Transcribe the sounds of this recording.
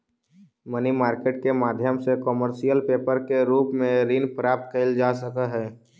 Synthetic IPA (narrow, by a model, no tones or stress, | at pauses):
mənimaːɾkeːʈ̚kemaːd̪ʱjəmsekɔməɾʃijəlpeːpəɾkeɾuːpmẽɾiːnpɾaːp̚t̪̚kəɪld͡ʒaːsəkəɦɛː